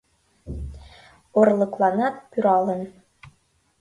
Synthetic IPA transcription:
orlˠɤ̆klˠɑnɑt̪̚pyɾɑlɤ̆n

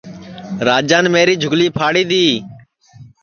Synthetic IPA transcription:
ɾaːd͡ʒãːnmeːɾiːd͡ʒʱʊɡliːpʰaːɽiːd̪iː

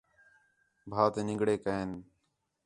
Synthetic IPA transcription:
bʱaːt̪eːnɪ̃ŋɡɽeːkəɦen

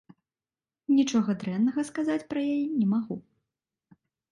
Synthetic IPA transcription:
nʲit͡ʂɔɣɐd̪ɾɛnːɐɣɐskazat͡sʲpɾɐjajinʲɛmaɣu

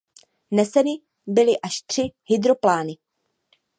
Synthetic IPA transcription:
nɛsɛnɪ | bɪlɪʔaʃt̪r̥ɪhɪd̪ɾo̞plaːnɪ

